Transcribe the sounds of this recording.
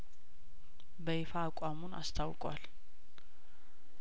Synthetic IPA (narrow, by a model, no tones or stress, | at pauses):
bəefaːkʼamuna̰st̪ʰawkʼwa̰l